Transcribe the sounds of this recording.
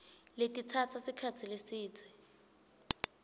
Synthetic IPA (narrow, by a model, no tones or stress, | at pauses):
letʼit͡sʰat͡sʰasikʰat͡sʰilesiːt͡sʰɛ